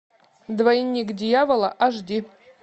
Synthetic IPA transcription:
d̪vajinʲːikʼdʲijavolˠaʔaʐdʲi

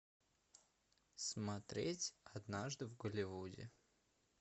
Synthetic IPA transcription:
smɐt̪ɾʲetʲɐd̪naʐd̪ɨvɡəlʲɪvudʲɪ̰

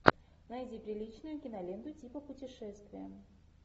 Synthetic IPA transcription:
najdʲipɾʲɪlʲit͡ɕnʊjʊkʲɪnɐlʲend̪ʊtʲipəpʊtʲɪʂɛst̪vʲɪjə

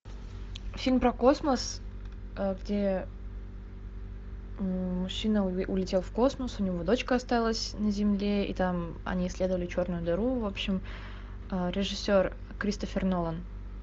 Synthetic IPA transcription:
fʲilʲmpɾəko̞sməs | əɡdʲe | mʊɕːinəʊlʲɪtʲe̞lˠfko̞sməsʊnʲɪvod̪o̞t͡ɕkəɐst̪alˠəsʲnəzʲɪmlʲeḭt̪am | ɐ̰nʲiːsʲlʲe̞d̪əvəlʲɪt͡ɕo̞rnʊjʊd̪ɐɾuvo̞pɕɪm | əɾʲɪʐɨsʲːo̞r | kɾʲist̪əfʲɪrnolˠən

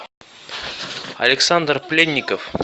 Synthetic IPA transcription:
ɐ̰lʲɪksand̪rplʲenʲːɪkəf

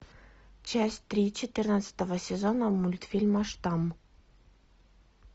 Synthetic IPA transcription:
t͡ɕæsʲtʲt̪ɾʲit͡ɕɪt̪ɨrnat̪sə̥t̪əvəsʲezonəmulʲt̪fʲilʲməʂt̪ɑm

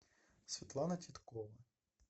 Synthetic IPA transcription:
sʲʋʲit̪lˠɑnɐtʲit̪kɔʋɐ

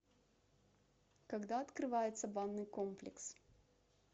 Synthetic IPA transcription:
kɐɡd̪aɐt̪kɾɨvajɪt̪səbanːɨjkomplʲɪ̰ks

